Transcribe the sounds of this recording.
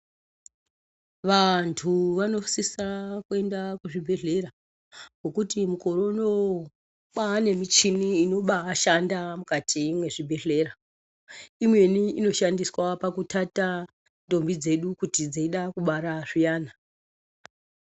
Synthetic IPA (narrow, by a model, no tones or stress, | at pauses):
ʋantʰuʋano̞sisakue̞ndakuʐibʱe̞ɮe̞ɾa | ɡo̞kutimuko̞ɾo̞no | kwane̞mit͡ʃiniːno̞ɓaːʃandamukatʰimwe̞ʐibʱe̞ɮe̞ːɾa | imwe̞niino̞ʃandiswapakutata | ndo̞mbid͡ze̞ɗukutid͡zaiɗakuɓaɾaʐijaːna